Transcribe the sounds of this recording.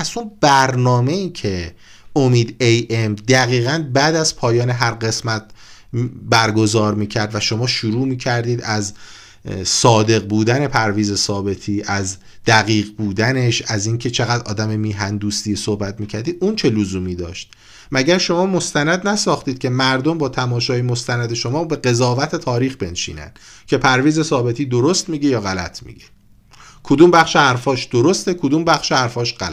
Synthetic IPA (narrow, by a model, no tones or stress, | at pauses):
æzunbæɾnɒːme̞iːcʰe̞ | omiːd̪ejʔemd̪æɣiːɣænbæːd̪æzpʰɒːjɒːneɦæɾɢe̞smæt̪̚ | bæɾɡo̞zɒːɾmiːcʰæɾd̪væʃo̞mɒːʃuɾuːmiːcʰæɾd̪iːd̪æz | sɒːd̪e̞ɣbuːd̪æne̞pʰæɾviːze̞sɒːbe̞t̪ʰiːʔæz | d̪̥æɣiːɣbuːd̪æne̞ʃæziːncʰe̞t͡ʃʰe̞ɣæd̪ɒ̰ːd̪æmemiːɦænd̪uːst̪iːesohbæt̪miːcʰæɾd̪iːuːnt͡ʃʰe̞lozuːmiːd̪ɒːʃt̪̚ | mæɟæɾʃo̞mɒːmo̞st̪ænæd̪næsɒːxt̪iːd̪̚cʰe̞mæɾd̪o̞mbɒːt̪ʰæmɒːʃɒːjemost̪ænæd̪eʃo̞mɒːbe̞ɢe̞zɒːvæt̪ʰe̞t̪ʰɒːɾiːxbe̞nʃḭːnæ̰nd̪̥ | cʰe̞pʰæɾviːze̞sɒːbe̞t̪ʰiːd̪o̞ɾost̪miːɟejɒːɣælæt̪ʰmḭːɟe̥ | kʰod̪uːmbæχʃehæɾfɒːʃd̪̥oɾost̪e̞kʰod̪uːmbæχʃehæɾfɒːʃɢæl